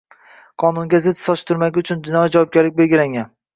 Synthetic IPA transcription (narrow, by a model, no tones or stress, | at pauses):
qʰɒnʊŋɡʲazɪt̪sɒʃt̪ʰʊɾmaɡʲɪʊt͡ʃʰʊnd͡ʒɪnɒjid͡ʒavwɒb̚ɡʲaɾlɪk̚ʲbe̞lɡʲɪlaŋʲan